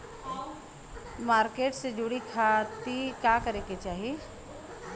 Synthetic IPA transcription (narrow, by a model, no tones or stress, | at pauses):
maːɾkeːʈsed͡ʒʊɽikʰat̪ikjakɐɾeːket͡ʃaːɦie